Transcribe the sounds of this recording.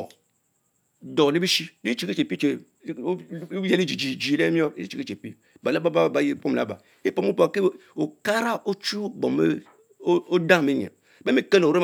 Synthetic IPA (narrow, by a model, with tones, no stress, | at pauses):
ɔ˨ | dɔ˨li˦bi˦ʃi˦li˦t͡ʃi˦ke˦t͡ʃe˨pi˦t͡ʃe˨˦ | ɛ˦li˦d͡ʒi˨d͡ʒi˨d͡ʒi˨le˦mi˦ɔ˦e˦t͡ʃi˨ke˦t͡ʃe˨pi˦ | ba˨la˦ba˦ba˦˨ba˨˦ji˦po˦m˨la̰˨˦ba̰˨ | i˦pɔ˨mu˦pke˦o˨ka˦ɾa˦ʔo˦t͡ʃu˦bɔ˨me˦ | o˦dã˦˨me˦ɲ˨a̰˨be˦me˦ke˦lo˨o˨ɾe˦